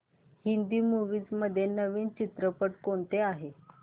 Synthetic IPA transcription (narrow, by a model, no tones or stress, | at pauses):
hind̪iːmuʋiːt͡sməd̪ʱːjenəʋiːnt͡ɕit̪ɾəpəʈkoɳt̪eaɦe